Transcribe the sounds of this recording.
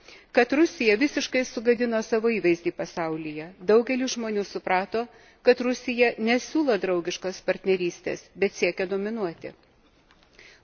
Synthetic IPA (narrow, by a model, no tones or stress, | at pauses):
kɐt̪ɾʊsʲɪjɛʋʲɪsʲɪʃkɐɪsʊɡɐd̪ʲɪnoːsɑːʋoːiːʋɐɪzʲd̪ʲiːpɐsɑʊlʲɪjɛd̪ɐʊɡʲɛlʲuːʒmoːnʲuːsʊpɾɑːt̪oː | kɐt̪ɾʊsʲɪjɛnʲɛsʲuːlˠoːd̪ɾɒʊɡʲɪʃkospɐɾʲt̪ʲnʲɛɾʲiːsʲt̪ʲḛːsbʲɛt̪sʲiɛkʲɛd̪oːmʲɪnuɔt̪ʲɪ̰